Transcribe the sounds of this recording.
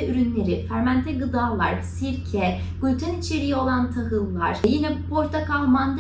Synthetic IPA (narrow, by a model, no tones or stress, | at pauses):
ɛyɾynlʲe̞ɾifæɾmænt̪ʰɛɡɯd̪aːlˠa̰ɾsiɾcʰɛ | ɡylʲt̪ʰanit͡ʃʰeɾijo̞lˠant̪ʰaɦɯlˠːa̰ɾ̥jinɛpʰo̞ɾt̪ʰakamand̪